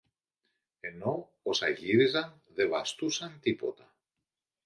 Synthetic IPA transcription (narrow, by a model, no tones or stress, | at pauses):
e̞no̞ | osɐʝiɾizɐn | ðe̞vɐst̪usɐnt̪ipo̞̰t̪ɐ